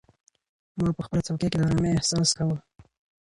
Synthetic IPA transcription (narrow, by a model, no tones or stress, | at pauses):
mɑpəxpəlat͡sawkeked̪əɾameɪhsɑskawə